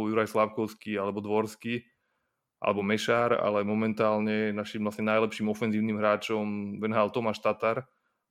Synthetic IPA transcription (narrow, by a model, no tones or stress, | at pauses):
juɾajslaʊkɔʊskialɛbɔd̪ʋɔɾski | ʔa̰lɛbɔmɛʃaːɾa̰lɛmɔmɛnt̪aːlɲɛnaʃimlasɲɛnajlɛpʃiːmɔfɛnziːʊniːmɦɾaːt͡ʃɔmʋɛnɦalt̪ɔmaʃt̪at̪aɾ